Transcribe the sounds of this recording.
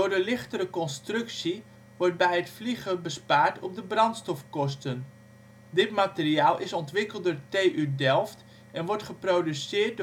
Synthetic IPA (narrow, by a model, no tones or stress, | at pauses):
ʊːrdəlɪχtəɾəkɔnstrʏksi | ʋɔrt̚bɛjətfliɣəbəspaːɹtʰɔp̚dəbrɑntstɔfkɔstən | dɪtmatəriaːlˠɪsɔntʋɪkəl̩ˠt̚dʊːɹteːʔydɛlˠft | ɛnʋɔɹtχəproːdysɪːrt̚